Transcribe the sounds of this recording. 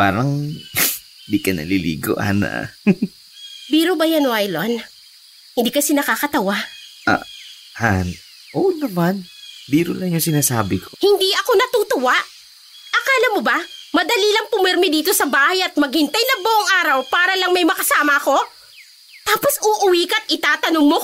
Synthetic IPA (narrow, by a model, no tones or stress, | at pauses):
pa̰ːɾɐŋ | hɪnd̪ikɐnɐ̰lilḭːɡo̰ʔa̰nɐ̰ | biːɾobɐjɐnoʔajlon | hɪnd̪iːkɐsɛnɐkaːkɐt̪ɐwaʔa̰ | ʔan | ʔonɐmanbiːɾʊlɐŋjoŋsɪnaːsaːbɪkohɪnd̪iʔɐko̞nɐt̪uːt̪ʊwaʔ | ʔɐkaːlɐmobɐmɐd̪ɐlilɐŋpʊmɛɾmɪd̪iːt̪osɐbaːhɐjɐt̪̚mɐɡ̚hɪnt̪ajnɐbʊʔoŋʔaːɾɐwpaːɾɐlɐŋmɐjmɐkɐsaːmɐʔɐko̞ | t̪aːpo̞sʊːʔʊwiːkɐt̪ʔɪt̪aːt̪ɐnoŋmo